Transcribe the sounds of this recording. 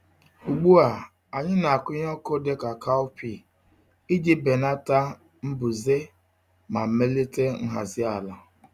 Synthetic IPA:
u˨ɡ͡bu˦a˨ | a˨ɲɪ˦na˨a˨kʊ˦ɲ˦ɔ˦ko˦de˦ka˨ka˦ʊ˦pi˦˨ | i˦di˦be˨na˦ta˦ | m̩˦bʊ˨ze˦ | ma˨m̩˨me˦le˦te˦ŋ̩˦ɦa̰˨zɪ˦a˨la˨

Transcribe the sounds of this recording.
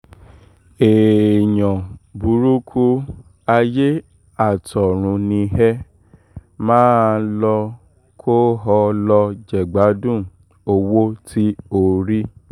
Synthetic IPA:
e˨ɲɔ̃˨bu˨˦ɾu˦kʰu˦ | a˧je˦ | a˦˨tʰɔ˨ɾ̃ũ˨˧nĩ˧ɦɛ˦ | mãː˦lɔ˧ | kʰo˦ɦɔ˧lɔ˧d͡ʒɛ˨ɡ͡ba˨˦dũ˦˨ | o˧wo˦ti˦o˦˨ɾi˦

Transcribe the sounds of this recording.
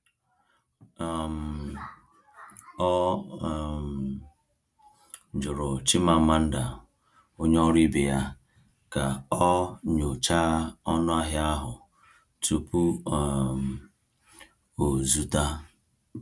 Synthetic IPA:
m̩˨ | ɔ˦˨ | d͡ʒʊ˨ɾʊ˨t͡ʃɪ˦ma˨m̩˦ma˦n̩˦da˨ | o˦ɲ˦ɔ˦ɾi˦bɪ˨ja˦ | ka˨ɔ˦ɲo˨t͡ʃa˦ɔ˦nʊ˦a˦ɦɪ˦a˦ɦʊ˨ | tʰu˨pu˦˨m˨ | o˨zu˦ta˦

